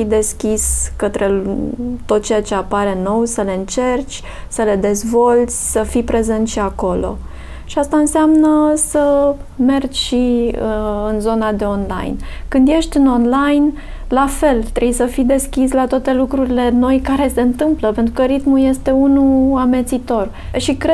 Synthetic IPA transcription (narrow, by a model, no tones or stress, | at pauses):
id̪e̞skʲiskət̪ɾe̞t̪o̞t̪̚t͡ʃe̞jat͡ʃe̞apaɾe̞no̞wsəle̞ɨnt͡ʃe̞rt͡ʃʲ | səle̞d̪e̞zvo̞lt̪sʲsəfipɾe̞zent̪ʃiako̞lo̞̰ | ʃiast̪aɨnseamnəsəme̞rd͡ʒʲʃi | ɨnzo̞nad̪e̞o̞nla̰jnkɨnd̪je̞ʃt̪ʲɨno̞nlajn | lafe̞lt̪ɾejsəfid̪e̞skʲislat̪oat̪e̞lukɾuɾile̞no̞jkaɾe̞se̞ɨnt̪ɨmpləpe̞nt̪ɾukəɾit̪muje̞st̪e̞unuame̞t̪sit̪o̞r | ʃikɾe